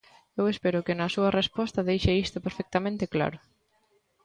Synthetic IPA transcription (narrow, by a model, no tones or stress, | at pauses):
ewespɛɾʊkɪnɐsuɐrespɔst̪ɐðejʃeist̪ʊpeɾfɛk̚t̪ɐmẽnt̪ɪkla̰ɾʊ